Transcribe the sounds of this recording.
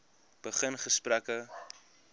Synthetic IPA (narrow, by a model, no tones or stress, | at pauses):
b̥əχənχəsprækə